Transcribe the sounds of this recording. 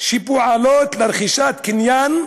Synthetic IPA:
ʃipuʕalot̪laɾχiʃat̪kinjan

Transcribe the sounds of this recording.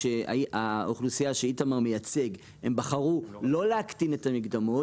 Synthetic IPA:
ea̰aoχlusijaʃeitamaʁmejat͡se̞ɡ | embaχaʁulo̞leakt̪ine̞tamiɡd̪amo̞

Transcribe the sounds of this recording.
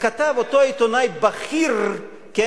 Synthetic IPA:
kat̪avot̪oit̪onajbaχiʁ | ke

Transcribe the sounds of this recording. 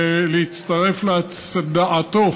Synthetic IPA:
lehit̪t͡st̪aʁe̞fleasad̪aʔat̪o

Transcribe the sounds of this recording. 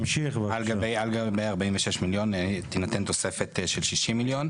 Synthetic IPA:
mʃiχbalɡabejalɡabejaʁbainveʃeʃmiljo̞nt̪inat̪ent̪o̞se̞fet̪ʃelʃiʃimiljo̞n

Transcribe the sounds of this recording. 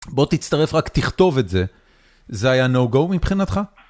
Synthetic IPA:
bo̞t̪it͡st̪aʁe̞fʁakt̪iχt̪o̞vetze̞ | zeajanowɡowmipχinat̪χa

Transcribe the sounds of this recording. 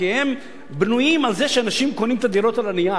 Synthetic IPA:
ihem | bnujimalzeʃeanaʃimkonimt̪ad̪iɾot̪alanija

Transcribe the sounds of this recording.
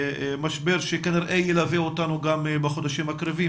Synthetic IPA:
maʃbeʁʃekaniʁʔejelaveotanuɡambeχo̞d̪aʃimakʁevi

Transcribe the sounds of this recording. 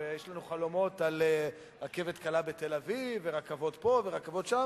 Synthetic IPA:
ejeʃlanuχalo̞mo̞t̪ale | ʁake̞ved̪kalabet̪elavivːeʁakavo̞d̪po̞veʁakavo̞d̪ʃam

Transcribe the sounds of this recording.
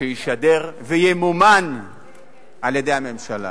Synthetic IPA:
ejiʃadeʁvejemuman | ʔaljed̪e̞jame̞mʃala̰

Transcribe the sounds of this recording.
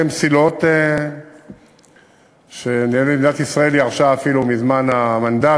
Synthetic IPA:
emsilot̪e | ʃe̞nieled̪inat̪isʁae̞liaʁʃaafilumizmanamand̪a

